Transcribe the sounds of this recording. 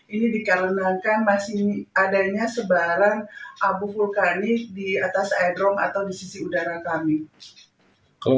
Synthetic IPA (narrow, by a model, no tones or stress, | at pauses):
inidikalənakanmasiadaɲasəbaɾanʔabufulkanidiat̪asadɾɔŋa̰t̪awdisisiudaɾakami | kəl